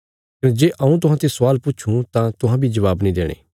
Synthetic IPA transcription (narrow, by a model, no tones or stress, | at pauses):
kɪnd͡ʒeːʔɐũt̪̬ʊɦãt̪esʊaːlpʊːt͡ʃʰũt̪ãt̪ʊɦãbʱid͡ʒɐʋaːbnĩd̪eːɽ̃ḛː